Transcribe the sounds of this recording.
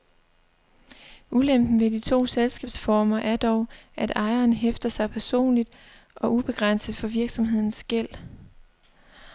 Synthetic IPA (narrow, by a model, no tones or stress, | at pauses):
ulem̰b̥n̩ʋe̝d̥it͡sʰo̝̰ːselsɡ̥ɛ̰ːb̥sfɒːmɐʔæɐd̥ɒʊʔæd̥ɑ̈ɪɐːnɦefd̥ɐsɑ̈ɪpʰæɐso̝̰ːnlid̥ | ʔɒ̽ʔub̥e̝ɡ̥ʁɑn̰səð̩ˠfɒ̽ʋiɐɡ̥sɒ̽mɦe̝ð̰ˠn̩sɡ̥el̰